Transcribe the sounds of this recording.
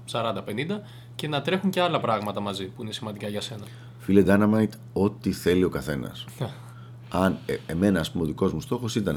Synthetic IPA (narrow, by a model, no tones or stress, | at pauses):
sɐɾɐnd̪ɐpe̞nind̪ɐ | ce̞nɐt̪ɾe̞xuɲceɐlɐpɾɐɣmɐt̪ɐmɐzipuine̞simɐnd̪ikɐʝɐse̞nɐ | filed̪ɐnɐmɐjt̪ | o̞t̪iθe̞lio̞kɐθe̞nɐ̰sn | ɐneme̞nɐːspumeoðiko̞zmust̪o̞xo̞sit̪ɐn